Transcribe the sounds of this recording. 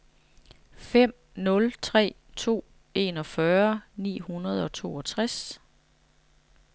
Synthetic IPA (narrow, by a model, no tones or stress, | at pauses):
fem̰ | nɔ̽lt͡sʰʁɛ̰ː | t͡sʰo̝̰ː | e̝ːnɒ̽fɶɐnḭːhunɐð̞ˠɒ̽t͡sʰo̝ːɒ̽t͡sʰʁas